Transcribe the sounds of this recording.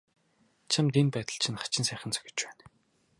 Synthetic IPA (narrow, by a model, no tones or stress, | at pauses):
t͡ɕʰamt̪inpæːt̪ə̆ɬt͡ɕʰĭnχḁt͡ɕɪ̆nsæːχə̆nt͡sœ̥xʲɪ̥̆t͡ɕpæːn